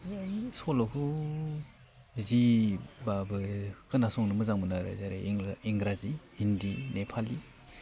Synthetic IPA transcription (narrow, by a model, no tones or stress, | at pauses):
sɔlɔkʰɯ | zibabɯkɯnasɔŋnɯmɯzaŋbɯnaɾa̰zaɾḛiŋɡɾazihindinepʰali